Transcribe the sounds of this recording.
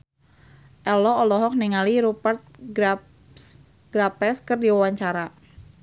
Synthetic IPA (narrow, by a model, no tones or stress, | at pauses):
ʔɛlɔɔlɔɦɔk̚nɛŋaliɾupərt̪̚ | ɡ̥ɾapɛskɨrdiwawaɲt͡ʃaɾa